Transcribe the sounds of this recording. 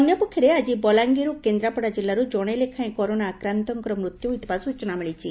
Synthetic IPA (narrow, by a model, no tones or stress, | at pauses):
njɔpukʰːjɔɾead͡ʒibɔlaŋɡiɾukend̪ɾapɔɽad͡ʒilːaɾud͡ʒɔɽ̃elekʰãẽkɔɾonaːkɾant̪ɔŋkɔɾɔmɾut̪juɦujt̪ibasut͡ʃɔnamiɭit͡ʃʰi